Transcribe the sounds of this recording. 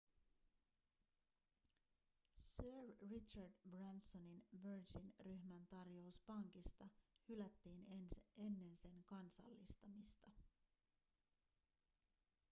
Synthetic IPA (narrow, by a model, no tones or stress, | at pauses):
søːɹːit͡ʃɑrdbrænsoninʋøɹd͡ʒinryhmænt̪ɑrjo̞uspɑŋk̟ist̪ɑhylæt̪ːiːnensʔe̞nːe̞nse̞ŋkɑnsɑ̰lːist̪ɑmist̪ɑ